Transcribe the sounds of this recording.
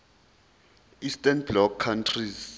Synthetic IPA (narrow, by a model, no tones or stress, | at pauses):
istɛnblɔkʰːantʰriz